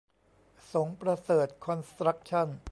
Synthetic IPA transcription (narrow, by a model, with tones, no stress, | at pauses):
so˩˦ŋpɾa˧sɤː˨˩t̪̚kʰɔ˧nst̪ɾa˦˥k̚t͡ɕʰa˥˩n